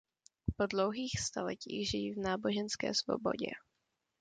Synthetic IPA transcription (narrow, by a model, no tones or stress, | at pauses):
po̞dlowɦiːxst̪alɛciːɣʒɪjivnaːbo̞ʒɛnskɛ̰ːsvo̞̰bo̞̰ɟɛ̰